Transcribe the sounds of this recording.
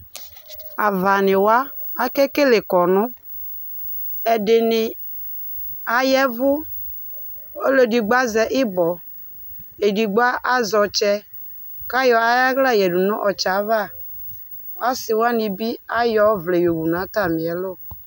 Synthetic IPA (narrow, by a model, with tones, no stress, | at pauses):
a˨va˨nɪ˨waː˦ | kɛ˦ke˦lɪ˨kɔ˨nʊ˦ | ɛ˨dɪ˨nɪ˨ | a˨jɛ˦vʊ˦ | o˦lo˦di˨ɡ͡ba˦zɛ˨ʔɪ˦bɔ˨ | e˨di˨ɡ͡ba˦ʔa˦zɔ˨t͡ʃɛ˦ | ka˦jɔ˨a˦ja˦ɣla˦˨jɛ˨du˨nu˦ʔɔ˨t͡ʃa˨˦va˦˨ | a˦sɪ˨wa˦nɪ˨bi˦a˦jɔ˦vle˨jo˨wu˨na˨˦ta˦˨mi˨ɛ˨˦lo˦˨